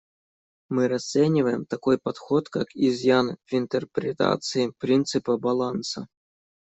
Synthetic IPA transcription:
mɨɾɐst̪sɛnʲɪvəjɪmt̪ɐko̞jpɐt̪xot̪kakizjanvɪnt̪ərpɾʲɪt̪a̰t̪sɨɪpɾʲint̪sɨpəbɐlˠansə̰

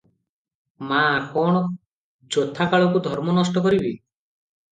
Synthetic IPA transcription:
makɔɽ̃ɔ | d͡ʒot̪ʰːakaɭɔkud̪ʱɔɾmɔnɔsʈɔkɔɾibi

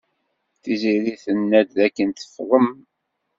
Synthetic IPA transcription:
θiziɾiθənːæd̪ðækːənt̪əfðˤəm

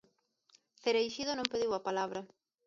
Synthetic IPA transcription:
θeɾejʃiðonõmpeðiwapalaβɾɐ

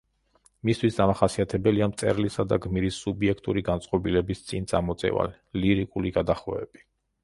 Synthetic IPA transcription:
mist̪ʰwisd̪amaχasiat̪ʰɛbɛliamt̪sʼɛ̰ɾlisad̪aɡmiɾisːubiɛkʰt̪ʼuɾiɡantsʼqʼɔbilɛbist̪sʼint̪sʼamɔt̪sʼɛ̰va̰lɛliɾikʼuliɡad̪aχwɛɛ̰b̥i

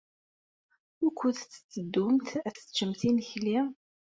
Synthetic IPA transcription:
ʊkʷːʊθt͡sːə̥t͡sːəd̪ːʊmt̪æə̥t͡ʃːəmt̪inəçli

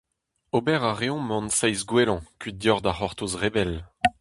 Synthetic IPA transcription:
obɛʁaʁeɔ̃mɑ̃nsajzɡwelɑ̃kɥid̪jɔʁd̪aχɔʁt̪osʁebɛl

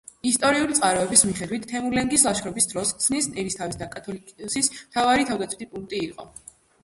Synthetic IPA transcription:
ist̪ʼɔɾiulit̪sʼaɾɔɛbismiχɛd̪wit̪ʰːɛmuɾlɛŋɡislˠaʃʰɾɔbisd̪ɾɔsksnisnɛɾist̪ʰavisd̪akʼat̪ʰɔlisismt̪ʰavaɾit̪ʰavd̪at̪sʰwit̪ʰipʼuŋk̚t̪ʼiiqʼɔ̰

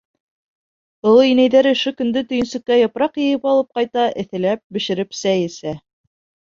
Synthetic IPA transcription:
ɤ̆lˠɤinæjðæɾɵ̆ʃɵkɵ̆nd̪ɵt̪ɵ̆jɘ̆nsɵ̆kːæjŏpɾɑqjɤ̆jɘpɑlˠɤp̚qɑjt̪ɑʔɘ̆θɘ̆læp̚bɘ̆ʃɘ̆ɾɘpsæjɘ̆sæ

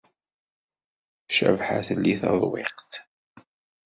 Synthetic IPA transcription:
ʃæ̰vħaθəlːiθɑ̰ðˤweqt̪

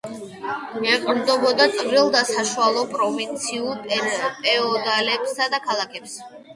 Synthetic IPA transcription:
ɛqʼmd̪ɔbɔd̪at̪sʼvɾilˠd̪asaʃualˠɔpʼɾɔvint̪sʰiulˠpʼpʼɛɔd̪alɛpsad̪akʰalˠakʰɛps

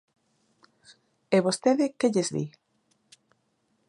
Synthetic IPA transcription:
eβost̪eðɪkeʎezðḭ

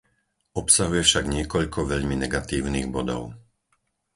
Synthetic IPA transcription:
ɔpsaɦujɛfʃaɡɲɪɛkɔʎkʰɔʋɛʎminɛɡat̪iːʊniːɣbɔd̪ɔ̰ʊ

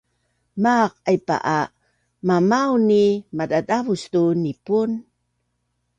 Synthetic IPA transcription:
maq̚ajpa̰ʔa | mamawnimadadavustunipun

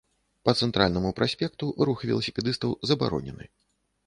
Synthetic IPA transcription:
pɐt̪sɛnt̪ɾalʲnɐmupɾasʲpʲɛk̚t̪uʔɾuxvʲɛ̰lˠɐsʲi̥pʲɛd̪ɨst̪ɐwzɐba̰ɾɔ̰nʲɛ̰nɨ̰

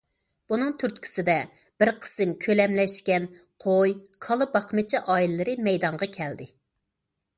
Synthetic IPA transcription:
b̥unɨŋt̪ʰyɾt̪̚kʲʰi̥sɪd̪ɛ | b̥ɪɾqʰə̥sɨmkʲʰølɛmlɛʃkʲɛn | qʰojkʰɑlˠɨbɑqmɨt͡ʃʰiʔɑːillːɨɾɨmɛjd̪ɑɴʁɑkʲʰɛld̪ɪ

